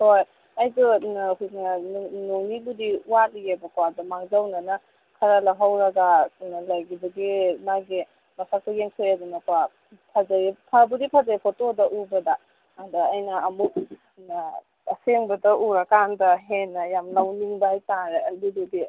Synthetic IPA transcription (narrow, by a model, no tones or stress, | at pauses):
hoj | ajdunɦunanonibudiuwalijebɐkoadɐmaŋzawnanɐ | kʰɐɾalaɦawɾɐɡalajɡibɐɡimaɡi | masʰak̚tajeŋkʰejadunaka | pʰazajpʰabudipʰazaipʰotodɐʔubɐda | adaajnɐːmuk̚ | aseŋbɐdɐʔuɾakandɐɦenːɐjamlawniŋdaajtanɾeadududi